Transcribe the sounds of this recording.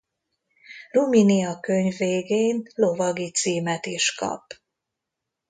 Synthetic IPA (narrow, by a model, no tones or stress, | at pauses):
ruminiɒkøɲvːeːɡeːnlo̞vɒɡit̪siːmɛt̪iʃkɒ̰p